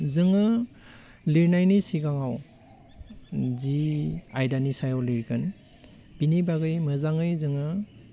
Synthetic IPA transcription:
zɯŋɯ | liɾnajnisiɡaŋaw | ziajdanisajawliɾɡɯn | b̥inibaɡɯjmɯzaŋɯjzɯŋɯ

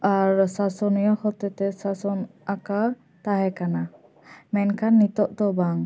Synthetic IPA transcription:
aɹsasɔnijɔhɔt̪ɛt̪ɛsasɔnaka | t̪aɦɛkana | mɛnkʰanːit̪ɔʔt̪ɔbaŋ

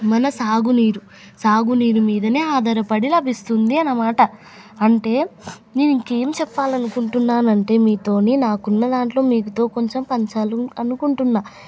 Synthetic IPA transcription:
mɐnɐsaːɡuniːɾu | saːɡuniːɾumiːd̪ɐneːaːd̪ɐɾɐpɐɽilɐbʱist̪und̪iɐnɐmaːʈɐ | ɐɳʈe̞ː | ne̞ːnuiŋke̞ːmit͡ʃɛpːaːlɐnukuɳʈunːaːnɐɳʈe̞ːmiːt̪o̞ːninaːkunːɐd̪aːɳʈlo̞ːmiːkut̪o̞ːko̞ɲt͡ʃempɐɲt͡ʃaːluɐnukuɳʈunːaː

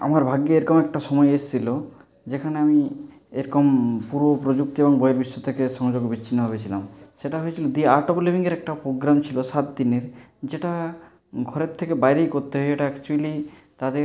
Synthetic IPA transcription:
a̰maɾbʱaɡjoeɾkɔmɛk̚ʈaʃɔmɔeest̪ʰilo | d͡ʒekʰaneami | eɾɔkɔmpuɾbopɾod͡ʒuk̚t̪iebɔŋbɔeɾbiʃːot̪ʰekeʃɔŋd͡ʒoɡbiɕʰinːɔbʱabet͡ɕʰila̰mseʈaɦojet͡ɕʰilod̪iaɾʈokulibʱiŋɡeɾɛk̚ʈapɾoɡɾamt͡ʃʰilosat̪d̪ineɾd͡ʑeʈa | ɡʱɔɾeɾt̪ʰekebajɾejkoɾt̪eɦɔeeʈaakt͡ʃuali | t̪ad̪e

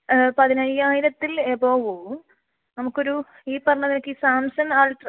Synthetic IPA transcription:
pɐðinɐjːaːjiɾɐt̪ːileboːʋo | nɐmukːo̞ɾu | iːpːɐrɐɲːɐðinɐkːiːsaːmsɐnaːlʈr

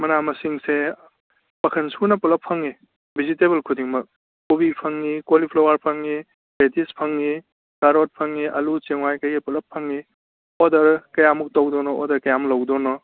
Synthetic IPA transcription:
mɐnamɐsiŋse | mɐkʰɐnsunɐpulɐpʰːɐŋi | bʱiziteβelkʰudiŋmɐk̚ | kobipʰɐŋːikolipʰlowaɾpʰɐŋːi | betispʰɐŋːi | kaɾot̚pʰɐŋːiʔɐlut͡ʃeŋwajkɐjɡepulɐpʰːɐŋːi | odɐɾkɐjamuk̚tɐwdonɔɔ̰dɐɾkɐjamɐlɐwdonɔ

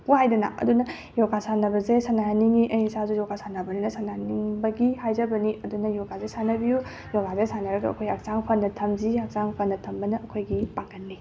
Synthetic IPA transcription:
puhajdɐna̰ʔɐ̰dunɐ | joɡasanɐbɐzesanaɦanːiŋiʔɐjisazujɔɡasanɐbɐninɐsanahniŋbɐɡihajzɐbɐniʔɐdunɐjoɡazesanɐbiju | joɡazesanɐɾɐɡɐɐ̰kʰojak̚t͡ʃaŋpʰɐnːɐtʰɐmziak̚saŋpʰɐnːɐtʰɐmbɐnɐʔɐkʰojɡipaŋɡɐnːi

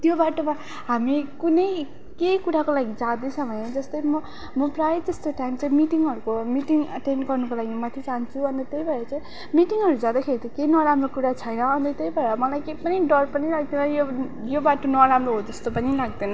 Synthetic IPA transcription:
t̪jobaʈoma | ɦamikunʌj | kejkuɾakolaɡid͡zad̪esʰʌmʌjd͡zʌst̪ʌjmʌ | mʌprajet̪ʌst̪oʈajimt͡saĩmiʈiŋɦʌɾukomiʈiŋʌʈenɖɡʌrnʌkolaɡimamat̪ʰjit͡saɦnt͡sʰuʌnt̪ʌt̪ejbʱʌeɾʌt͡sãĩ | miʈiŋɦʌɾud͡zãd̪akʰeɾit̪ʌkejnʌɾamrokuɾat͡sʰʌjnʌːnt̪ʌt̪ejbʱʌeɾʌmʌlajkejpʌniɖʌrpʌnilaɡ̚d̪enʌjo | jobaʈonʌɾamroɦod͡zʌst̪opʌnilaɡ̚d̪enʌ

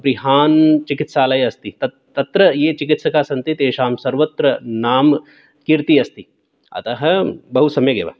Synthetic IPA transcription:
pɾiɦaːnt͡ʃikit̪saːlɐjɐst̪it̪ɐ | t̪ːɐt̪ɾɐjeːt͡ʃikit̪sɐkaːsɐnt̪it̪eːʃaːmsɐɾʋɐt̪ɾɐnaːm | kiɾt̪iɐst̪i | ɐ̰t̪ɐɦɐ̆bɐɦusɐmjɐɡḛːʋa̰

